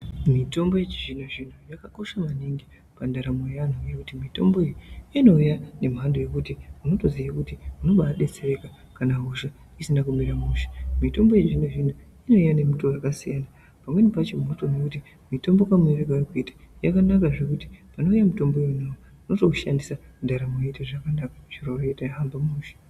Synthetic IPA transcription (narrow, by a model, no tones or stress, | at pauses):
mito̞mbo̞je̞t͡ʃiʐin̤uʐin̤ujakako̞ʃamaniŋɡi | pandaɾamojan̤ujekutimito̞̰mbo̞ijiano̞ujane̞mɦandoje̞kutiuno̞to̞ziakutiuno̞ɓaɗe̞t͡sere̞ka | kanaɦuʒa | isinakumiɾamuʃḁmito̞mbo̞jeʐinweʐin̤u | ino̞ijane̞mutorakasijana | pamwe̞nipat͡ʃemunotonekuti | mito̞mbokamereɡʱarkuitḁjakanakaʐe̞kuti̥pano̞ujamito̞mboijunawo | uno̞tokuʃandisandaɾamojeitoʐakanakat͡ʃiraroetajaɦambamuːʃḁ